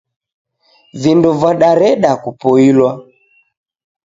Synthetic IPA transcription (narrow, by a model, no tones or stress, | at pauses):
vinduvaɗaɾɛɗakupɔilwa